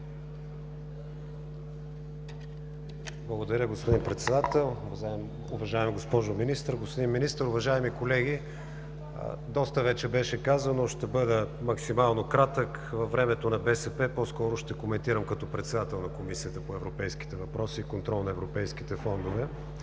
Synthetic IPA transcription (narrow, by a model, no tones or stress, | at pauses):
blˠɐɡod̪ɐɾʲəɡospod̪inpɾɛt̪sɛd̪at̪ɛlˠ | am | ʊvɐʒaɛmɡospɔʒominist̪əɾɡospʊd̪inminist̪əɾʊvɐʒaɛmikolɛɡ̟ḭ | d̪ɔst̪əvɛt͡ʃɛbɛʃɛkazənoʃt̪ɛbɤd̪əmɐksimalˠnokɾat̪əkvɐvɾɛmɛt̪onɐbɛsɛpɛpɔskɔɾʊʃt̪ɛkomɛnt̪iɾəmkɐt̪ɔpɾɛt̪sɛd̪at̪ɛlˠnɐkomisiət̪əpoɛvɾopɛjski̥t̪ɛvɐpɾɔsiːkont̪ɾɔlˠnɐɛvɾopɛjsk̟i̥t̪ɛfɔnd̪ovɛ